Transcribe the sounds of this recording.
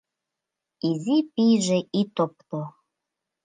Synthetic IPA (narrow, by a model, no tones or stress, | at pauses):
izipiʒeʔit̪op̚t̪o